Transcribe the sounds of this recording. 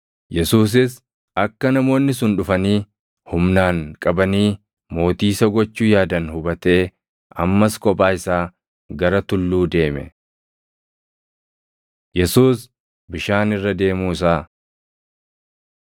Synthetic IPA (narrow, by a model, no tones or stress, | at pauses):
jɛsuːs̬ɪs | ɐkːɐnɐmo̞ːnːɪs̬ʊnᶑʊfɐniː | hʊmnaːŋkʼɐbɐniː | mo̞ːt̪iːsɐɡɔt͡ʃːuːjaːd̪ɐnhʊbɐt̪e̞ː | ʔɐmːɐskʼɔpʼaːɪsaː | ɡɐɾɐt̪ʊlːuːd̪e̞ːmɛ̰ | jɛsuːs | bɪʃaːnɪrːɐd̪e̞ːmuːɪs̬aː